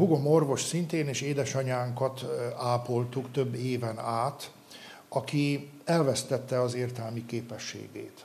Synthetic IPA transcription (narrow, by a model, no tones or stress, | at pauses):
buɡo̞morvo̞ʃsint̪eːneːʃeːd̪ɛʃɒɲaːŋkɒt̪aːpo̞lt̪ukt̪øbːeːvɛnaːt̪ | ɒki | ɛlvɛst̪ɛt̪ːɛɒzeːrt̪ɛlmikeːpɛʃːḛːɡḛːt̪